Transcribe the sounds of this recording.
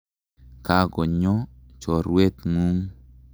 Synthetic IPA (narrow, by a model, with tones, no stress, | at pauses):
ka˦ɡɔ˨ɲɔ˦t͡ʃɔ˨ɾwe˦t̪ŋu˦ŋ